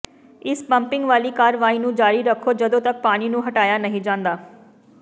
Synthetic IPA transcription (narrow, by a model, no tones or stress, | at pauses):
ɪspəmpɪ̃ŋɡʋaːliːkaːɾʋaːiːnũːd͡ʒaːɾiːɾəkʰːoːd͡ʒəd̪õːt̪ək̚paːɽ̃iːnũːɦəʈaːjaːnəɦĩːd͡ʒãːnd̪aː